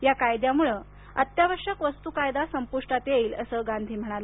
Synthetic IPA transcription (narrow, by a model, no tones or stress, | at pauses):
jakajd̪jamuɭə | ət̪jaʋəɾʂəkʋəst̪ukajd̪asəmpuʂʈat̪jeiːlə̰səɡand̪ʱiːm̤əɽ̃alə